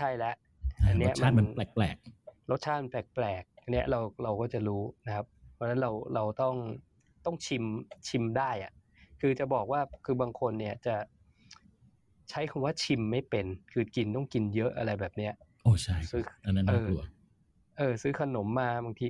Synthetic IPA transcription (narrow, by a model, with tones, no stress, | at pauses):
t͡ɕʰa˥˩jlɛ˦˥ʔ | a˧nːi˦˥ɐ˧maː˥˩˧ma˧lɛː˨˩k̚plɛ̰ː˨˩k̚ɾo˦˥t̪̚t͡ɕʰaː˥˩nplɛː˨˩k̚plɛː˨˩k̚ni˦˥ɐʔɾa˧wɾa˧wkɔː˥˩t͡ɕa˨˩ɾuː˦˥na˦˥kʰa˦˥p̚pʰɔː˦˥na˦˥nɾa˧wɾa˧wt̪ɔ˥˩ŋ | t̪ɔ˥˩ŋt͡ɕʰi˧mt͡ɕʰi˧mdaː˥˩jʔa˨˩ʔ | kʰɯː˧t͡ɕa˨˩bɔː˨˩k̚waː˥˩kʰɯː˧baː˧ŋkʰo˧nːi˥˩ɐt͡ɕa˨˩ | t͡ɕʰa˦˥jkʰa˧waː˥˩t͡ɕʰi˧mːa˥˩jpe˧nkʰɯː˧ki˧nt̪ɔ˥˩ŋki˧njɤ˦˥ʔa˧ɾa˧jbɛː˨˩p̚ni˦˥ɐʔ | ʔoː˧˩t͡ɕʰa˥˩jsɯː˦˥a˧nːa˦˥˩ɤː˥˧u˧˩ɐ | ʔɤː˧sɯː˦˥kʰa˧no˩˦mːaː˧baː˧ŋt̪ʰiː˧